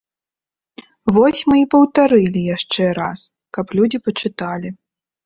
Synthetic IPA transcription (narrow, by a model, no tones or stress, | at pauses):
vɔsʲmɨipɐwt̪aɾɨlʲijaʂt͡ʂɛɾas | kɐplʲud͡zʲipɐt͡ʂɨt̪alʲi